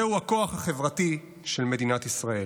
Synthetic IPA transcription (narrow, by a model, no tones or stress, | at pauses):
euako̞aχhaχe̞vʁati | ʃe̞lme̞dinat̪isʁae̞l